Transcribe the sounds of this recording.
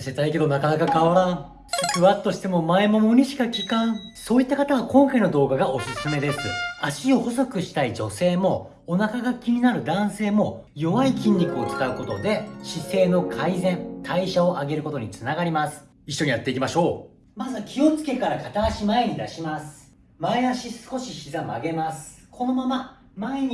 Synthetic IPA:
se̞t̪aike̞d̪o̞nakanakakaβaɾãɴ | sɨ̥kɯ̟βat̪ːoɕi̥t̪e̞mo̞maemo̞mo̞ɲ̟iɕi̥kakʲikãŋso̞ːit̪ːakat̪aβakõ̞ŋkaino̞d̪o̞ːɡaɡao̞sɨsɨme̞d̪e̞sɨaɕio̞ho̞s̬o̞kɯ̟ɕi̥t̪aid͡ʑo̞se̞ːmo̞ | onakaɡakʲiɲ̟ʲinaɾɯ̟d̪ãɰ̃se̞ːmo̞ | jo̞βaikʲĩɲʲɾʲikɯ̟o̞kt͡sɨ̥kaɯ̟ko̞t̪o̞d̪e̞ɕise̞ːno̞kʰaizẽ̞nt̪ʰaiɕao̞ʔaɡe̞ɾɯ̟ko̞t̪o̞ɲ̟it͡sɨnaɡaɾʲimasɨ̥ | iɕːo̞ɲ̟ijat̪ːe̞ikʲimaɕo̞ː | mazɨkʲʰio̞t͡sɨ̥ke̞kaɾakat̪aːɕimae̞ɲ̟id̪aɕimasɨ̥ | maeaɕisɨ̥ko̞ɕiçizama̰ɡe̞masɨ̥kʰo̞no̞mama | maeɲ̟i

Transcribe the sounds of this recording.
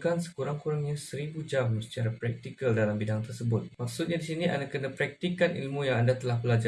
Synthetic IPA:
kansə̥kuɾaŋkuɾaŋɲasəɾibud͡ʒamsə̥t͡ʃaɾapɾɛk̚t̪ikəldalambidaŋt̪ərsəbʊt̪̚mak̚sut̪̚ɲadisinĩʔa̰ndakənãpɾɛk̚t̪ikanʔḭlmũjaŋandat̪əlahbəlad͡ʒa

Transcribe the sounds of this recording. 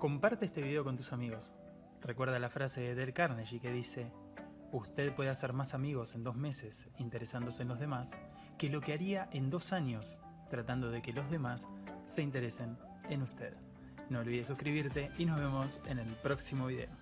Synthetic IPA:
ko̞mpaɾt̪eest̪e̞βiðe̞o̞ko̞nt̪usamiɣo̞s | rekwe̞ɾð̞alafɾase̞ðeðelkaɾneʃike̞ðise̞ | ust̪e̞ðpwe̞ðaseɾmasamiɣo̞se̞nd̪o̞zme̞ses | int̪eɾesand̪o̞seːnlo̞zð̞e̞mas | ke̞lo̞keaɾiaʔe̞nd̪o̞saɲjo̞s | t̪ɾat̪and̪o̞ð̞eke̞lo̞zðe̞masːe̞int̪eɾese̞n | enust̪e̞̰ð | noːolβiðesuskɾiβiɾt̪e̞ʔino̞zβe̞mo̞sene̞lpɾo̞ksimo̞βiðe̞̰o

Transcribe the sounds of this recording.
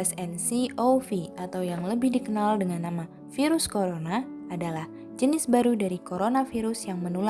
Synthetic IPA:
ɛsɛnsiofiat̪awjaŋləbɪhdikənaldəŋanːama | fiɾʊskoɾonaː | dalah | d͡ʒənɪsbaɾudaɾikoɾonafiɾʊsjaŋmənula

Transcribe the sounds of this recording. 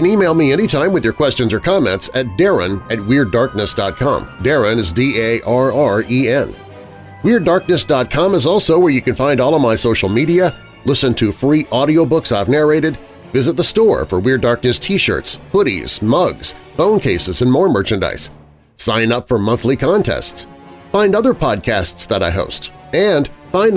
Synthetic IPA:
kɨ̃nimeɪlˠmiɛnitʰãɪ̃mwɨðjə˞kʰw̥ɛst͡ʃɨ̃nzə˞kʰɑmɛ̰̃ntsɨt̚d̥ɛɹɨ̰̃nɨt̚wɪɹdɑɹk̚nɨsd̥ɑt̚kʰɑ̰̃mdɛɹɨ̃nɨzdieɪʔɑɹɑɹiɛ̃n | wɪɹdɑɹk̚nɨsd̥ɑt̚kʰɑ̃məzɔlˠsoʊwə˞jɨkɨ̃nfãɪ̃ndɔlˠʌvmaɪsoʊʃl̩ˠmiɾiɨ | lɪsɨ̃ntʰɨfɹiʔɑɾioʊbʊksaɪvnɛɹeɪɾɨd | vɪzɨt̪̚ðəstɔɹfə˞wɪɹdɑɹk̚nɨstʰiʃɜ̰˞tspʰʊɾḭz̥mʌɡz̥ | fõʊ̃nkʰeɪsɨzɨ̃nmɔɹmɜ˞t͡ʃɨ̃nda̰ɪsː | ãɪ̃nʌpfə˞mʌ̃nθlikʰɑ̃ntʰɛ̰stsfãɪ̃ndʌðə˞pʰɑd̚kʰæstsðəɾaɪɦo̰ʊstɨ̃nfãɪ̃n

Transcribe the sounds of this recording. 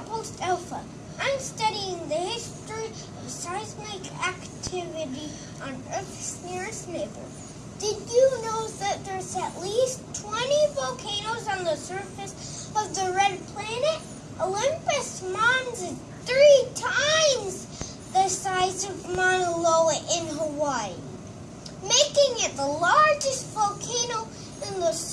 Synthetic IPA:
pʰoʊstɛlˠfə | ãɪ̃mstʌɾiɪ̃ŋðɨhɪstɹ̥i | ʌv̥saɪzmeɪkʰæktʰɪvɨɾi | ə̃nɜ˞θsnɪɹsneɪbə̰˞ | d̥ɨd͡ʒɨnoʊðɨt̪̚ðə˞zɨʔˡlistʰw̥ɛ̃nivoʊkʰẽɪnoʊzn̩ðəsɜ˞fɨs | ʌvðəɹɛd̚pʰl̥ænɨɾ | ʔolɪ̃mpɨsmɑ̃nzɨz | θɹitʰãɪ̃mz | ðɨsaɪzʌvmɑnəloʊəʔɪ̃nɦəwaɪ | meɪkɪ̃ŋɪt̪̚ðəlɑɹd͡ʒɨstvəlˠkʰẽɪ̃noʊ | ɪ̃nðəs

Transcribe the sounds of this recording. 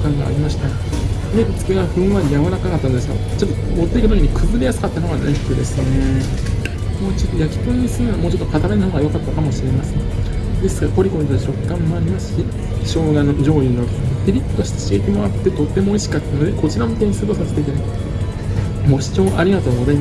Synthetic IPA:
kãŋɡa̰ːɾʲimaɕi̥t̪a | net͡sɨ̥keɡaɸɯ̟̃ɰ̃βaɾʲijaβanakakat̪ːanod̪esɡa̰ | t͡ɕo̞t̪ːomo̞t̪ːeikɯt̪okʲiɲ̟ikʰɯ̟zɨɾejasɨ̥kat̪ːanoɡanait̪ːed̪e̞sɨne̞ | mo̞ːt͡ɕo̞t̪ːo̞jakʲi̥po̞iisɨ̃amo̞ːt͡ɕo̞t̪ːokʰat̪aɾanahoːɡajo̞kat̪ːakamo̞ɕiɾe̞masɨ̥d̪e̞sɨ̥kaɾko̞ɾʲiko̞ɾʲit̪od͡ʑo̞kːãmːo̞aɾʲimasɨ̥ɕi | ɕo̞ːɡanod͡ʑo̞ːino | t̪eɾʲitt̪ːoɕi̥t̪eɕiet̪e̞mo̞at̪ːe̞t̪o̞t̪ːe̞mo̞ːiɕi̥kat̪ːanod̪e̞ko̞t͡ɕiɾamit̪eɲisɨb̪osase̥t̪et̪e | mo̞ːɕi̥t͡ɕo̞ːʔaɾʲiɡat̪o̞ːɡo̞zaima

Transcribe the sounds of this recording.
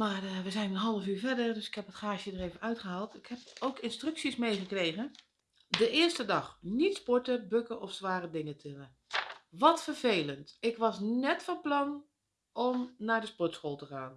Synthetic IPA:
maːrʋəzɛjnənɦɑlˠəfyːɹvɛdərdøsɪ̥khɛpətχaːʃjədəreːvənœɥtχəɦaːlˠtʰɪkhɛpowkɪnstrʏksismejχəkrejɣən | dəɪːrstədɑχnitspɔɹtəbøkəɔfsʋaːrədɪŋətʰɪnə | ʋɔtfərveːləntɪkʋɑsnɛtfɔnplɑn | ɔmnaːɹdəspɔtsχoːlˠtəχaːn

